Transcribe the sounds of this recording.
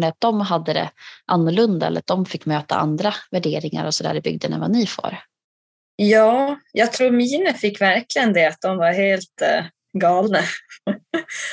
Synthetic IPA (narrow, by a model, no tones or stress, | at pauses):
ɳəat̪̚d̪ɔmɦad̪ːəd̪ɛ̰ʔanːʊɭɵnd̪aɛlːə̰ɾat̪̚d̪ɔmfɪkːmøːt̪a̰a̰nd̪ɾavæɖeːɾɪŋa̰ɾɔsɔd̪æ̰ːɖɛbʏ̰ɡ̚d̪ənɛ̰vaniːfœ̰ɾ | jɑːjɑːɡ̚t̪ʰɾuːɾmiːnəfɪkːvæɾklɪɡənd̪ɛat̪̚d̪ɔmvaɾheːlt̪ | ɡɑːlna